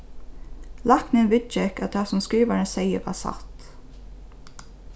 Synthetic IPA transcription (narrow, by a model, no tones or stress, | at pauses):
lɑknənʋɪd̪t͡ʃɛkɑt̪̚d̪ɑːsɔmskɹiːʋɑɳəseɪəʋɑ̰ːsɑ̰t̪